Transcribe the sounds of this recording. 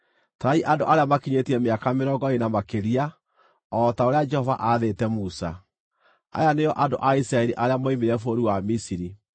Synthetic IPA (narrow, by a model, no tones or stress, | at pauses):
taɾaiʔando̰ʔaɾeamakiɲetiɛmeakameɾɔɡɔenamakeɾia | ɔtaoɾead͡ʒɛhɔva̰ʔaðetɛmusa̰ | a̰janejɔʔado̰ʔaisɾaɛɾiʔaɾeamoimeɾɛfoɾiwamisiɾi